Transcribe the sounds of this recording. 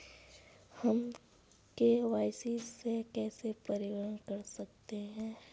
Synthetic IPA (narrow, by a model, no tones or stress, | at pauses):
hɐm | keʋaːɪsisekɛːsepɐɾɪʋəɾənkɐɾsɐk̚t̪eɦɛ̃ː